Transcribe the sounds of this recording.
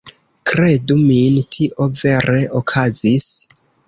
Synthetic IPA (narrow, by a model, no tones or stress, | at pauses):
kɾe̞dumintʰiʔo̞ve̞ɾe̞ʔokʰazis